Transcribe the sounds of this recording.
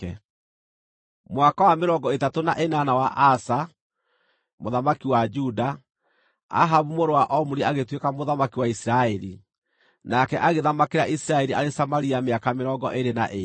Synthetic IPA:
ɛ | mwakawameɾɔŋɡɔetatona̰ʔenanawaʔasa | moðamakiwad͡ʒuda | a̰ɦaβumoɾowaʔɔmuɾeaɣetwekamoðamakiwaisiɾaɛɾḭ | nakɛʔaɣeðamakeɾaʔisiɾaɛɾiʔaɾesamaɾiameakameɾɔŋɡɔ̰ʔeɾena̰ʔe

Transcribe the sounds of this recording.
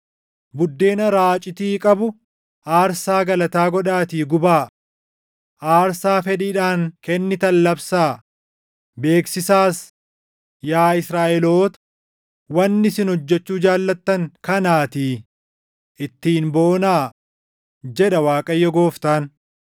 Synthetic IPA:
bʊd̪ːe̞ːnɐɾaːt͡ʃʼɪt̪iːkʼɐbʊ | ʔaːɾsaːɡɐlɐt̪aːɡɔᶑaːt̪iːɡʊbaː | ʔaːɾsaːfɛᶑiːᶑaːŋkɛnːɪt̪ɐlːɐbsaː | be̞ːksɪsaːs | jaːɪsɾaːʔɛlo̞ːt̪ɐ̥ | wɐnːɪsɪnhɔd͡ʒːɛt͡ʃːuːd͡ʒaːlːɐt̪ːɐŋkɐnaːt̪iː | ʔɪt̪ːiːnbo̞ːnaː | d͡ʒɛᶑɐwaːkʼɐjːɔɡo̞ːft̪aːn

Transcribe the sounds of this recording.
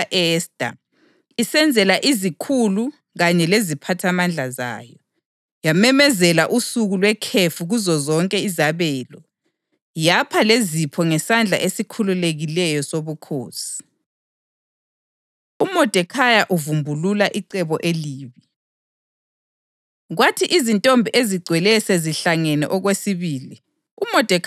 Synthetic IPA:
ʔɛsd̥ʱʼa̰ | isɛnd͡zʱɛlaʔizikʰulu | ɣaɲɛlezipʰatʰamand͡ɮʱaza̰ːjɔ | jamɛmɛzɛlaʔusuɣulwɛkʰefuɣuzɔzɔŋkʼɛizaβɛːlɔ | japʰalezipʰɔŋɛsand͡ɮʱa̰ʔesikʰululeɣilɛjɔsoβukʰo̰ːsi̥ | umɔd̥ʱɛkʰajaʔuvumbʱululaʔiǀɛβɔʔeliːβi | ɣwatʰiʔizintʼɔmbʱiʔeziɡ͡ǀʱwɛlɛsɛziɬaŋɛnɛ̰ʔɔɣwesiβiːli | umɔd̥ʱɛ

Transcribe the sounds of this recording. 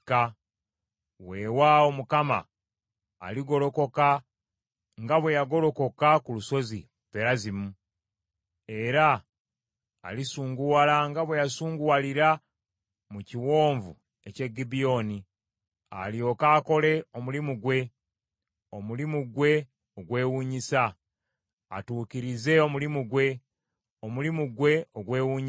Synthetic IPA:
ka | we̞ːwaomukama̰ː | liɡo̞ɾo̞ko̞ka | ŋɡaβwe̞jaɡo̞ɾo̞ko̞kakuluso̞zḭ | peɾazimu | e̞ɾa | lisuːŋɡuwalaŋɡaβwe̞jasuːŋɡuwaliɾa | muciwo̞ːɱvu | e̞ce̞ɡːibio̞ni | a̰lio̞ːkaːko̞le̞o̞mulimuɡwe̞ | omulimuɡwe̞ | oɡwe̞ːwuːɲisa | a̰tuːkiɾize̞o̞mulimuɡwe̞ | omulimuɡwe̞oɡwe̞ːwuːɲi

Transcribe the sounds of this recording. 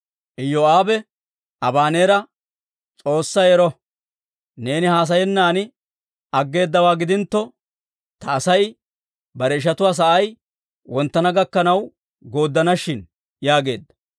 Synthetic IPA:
ʔɪjːoaːbɛ | ɐbaːne̞ːɾɐ | t͡sʼo̞ːsːɐjɛɾɔ | ne̞ːnɪhaːs̬ɐjɛnːaːnɪ | ɐɡːe̞ːd̪ːɐwaːɡɪd̪ɪnt̪ːɔ | t̪ɐːsɐj | bɐɾɛɪʃ̬ɐt̪ʊwaːs̬ɐʔɐj | wɔnt̪ːɐnɐɡɐkːɐnɐw | ɡo̞ːd̪ːɐnɐʃːɪn | jaːɡe̞ːd̪ːɐ̥

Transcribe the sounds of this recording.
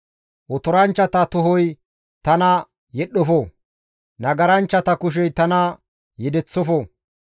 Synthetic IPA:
ʔɔt̪ɔɾɐnt͡ʃːɐt̪ɐt̪ɔɦɔj | t̪ɐnɐ | jɛɗːɔfɔ | nɐɡɐɾɐnt͡ʃːɐt̪ɐkʊʃ̬ɛjt̪ɐnɐ | jɛd̪ɛt͡sːɔfɔ

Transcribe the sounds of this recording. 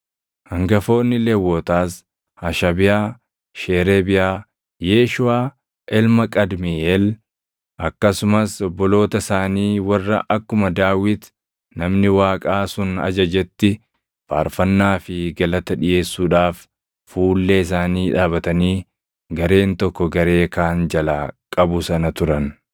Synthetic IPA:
hɐŋɡɐfo̞ːnːɪlewːoːt̪aːs | hɐʃɐbɪjaː | ʃeːɾeːbɪjaː | jeːʃʊaː | ʔɛlmɐkʼɐd̪miʔɛl | ʔɐkːɐsʊmɐsɔbːɔlo̞ːt̪ɐsaːniːwɐrːɐ̰ʔɐkːʊmɐd̪aːwɪt̪ | nɐmnɪwaːkʼaːsʊnɐ̰d͡ʒɐd͡ʒɛt̪ːɪ | fa̰ːɾfɐnːaːfɪɡɐlɐt̪ɐᶑɪje̞ːsːuːᶑaːf | fuːlːeːɪsaːniːᶑaːbɐt̪ɐniː | ɡɐɾe̞ːnt̪ɔkːɔɡɐɾe̞ːkaːnd͡ʒɐlakʼɐbʊsɐnɐt̪ʊɾɐn

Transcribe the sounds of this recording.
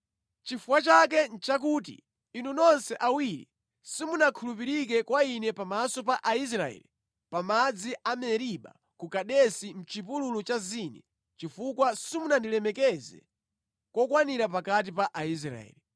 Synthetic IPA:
t͡ʃifukwat͡ʃak̬ɛn̩t͡ʃak̬uːt̬ḭ | inunɔnsɛʔawiɾḭ | simunakʰulupiɾik̬ɛkwainɛpamasɔpaʔais̬ɾaɛ̰li | pamad͡ziʔamɛɾiɓa̰ | kukaɗɛsim̩t͡ʃipululut͡ʃaziːnɛ̰ | t͡ʃifukwasimunandilɛmɛkɛzɛ̰ | kɔkwaniɾap̬akat̬ipaʔais̬ɾa̰ɛ̰ːli

